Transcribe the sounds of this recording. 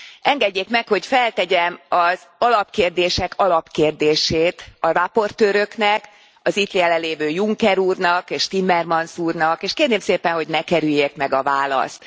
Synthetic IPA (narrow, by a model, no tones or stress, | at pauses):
ʔɛŋɡɛɟːeːkmɛkho̞cfɛlt̪ɛɟɛmɒzɒlɒpkeːrd̪eːʃɛkʰɒlɒpkeːrd̪eːʃeːt̪ɒrɒpo̞rt̪øːɾø̞knɛk | ɒzit̪liɛlɛleːvøːjuŋkɛɾuːrnɒkeːʃt̪imːɛrmɒnsuːrnɒkeːʃkeːrneːmseːpɛnho̞ɟnɛkɛɾyjekmɛɡɒvaːlɒ̰st̪